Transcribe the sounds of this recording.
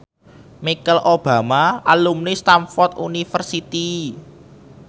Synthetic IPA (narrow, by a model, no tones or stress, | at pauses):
mikəlʔob̥a̤maalumnist̪amfɔrt̪̚ṵnifərsit̪i